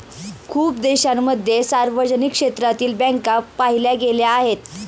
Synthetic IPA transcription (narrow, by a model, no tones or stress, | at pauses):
kʰuːpd̪eɕamːəd̪ʱjesaɾʋəd͡ʑnikʂet̪ɾat̪iːlbɛ̃ŋkapaɦiljaɡeljaːɦet̪